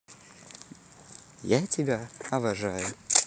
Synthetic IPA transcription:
jatʲɪbʲaɐvɐʐajʊ

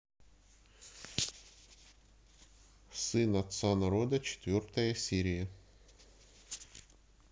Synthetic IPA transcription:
sɨnɐt̪sanɐɾɔd̪ɐt͡ɕɪ̥t̪ʋʲɔrt̪ɐjɐsʲiɾʲɪjɐ

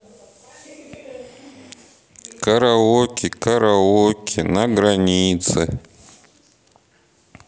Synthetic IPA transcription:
kaɾawokikaɾawokʰinaɡɾaɲiːt͡sɛ

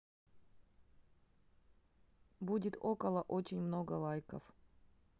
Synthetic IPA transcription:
budʲɪt̪okəlˠəʔot͡ɕɪnʲmnoɡəlˠajkəf

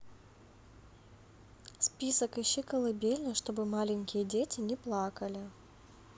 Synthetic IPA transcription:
spʲisəkɪɕːɨkəlˠɐbʲelʲnəʂt̪o̞bɨmalʲɪnʲkʲɪjədʲetʲɪnʲɪplˠakəlʲɪ

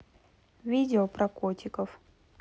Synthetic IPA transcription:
vʲidʲɪopɾɐkotʲɪkəf

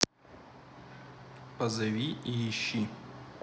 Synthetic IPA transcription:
pɐzɐʋʲiijiɕi

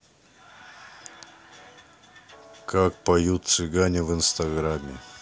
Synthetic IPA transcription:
kʰak̚pɐjut̪̚sɨɡanʲɪvɨnst̪ɐɡɾamʲɪ

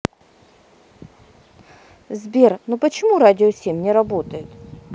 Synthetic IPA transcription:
zbʲernopət͡ɕɪmuɾadʲɪosʲemʲnʲɪɾɐbo̞t̪əjɪt̪

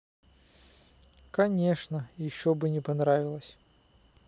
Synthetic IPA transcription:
kɐnʲe̞ʂnəjɪɕːobɨnʲɪpɐnɾavʲɪlˠəsʲ

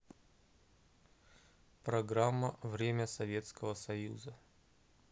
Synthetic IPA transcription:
pɾɐɡɾamːəvɾʲemʲəsɐvʲe̞t̪skəvəsɐjuzə

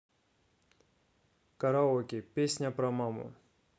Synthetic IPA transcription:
kɐɾaɔkʲɪpʲesʲnʲapɾɐmamʊ̰

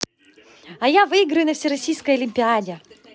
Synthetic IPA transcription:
ɐjavɨɪɡɾɨjʊnɐfsʲiɾɐsʲijskəjɐlʲɪmʲpʲɪadʲɪ

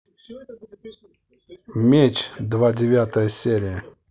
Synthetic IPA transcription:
mʲet͡ʃd̪vadʲɪvʲat̪əjəsʲeɾʲɪjə

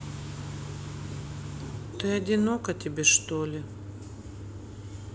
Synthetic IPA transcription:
t̪ɨɐdʲɪnokɐt̪ʲɪbʲeʂt̪olʲɪ

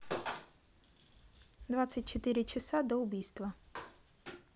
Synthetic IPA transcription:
d̪vat̪sɨt̚ʲt͡ɕɪt̪ɨɾʲɪt͡ɕɪsad̪əʊbʲijst̪və

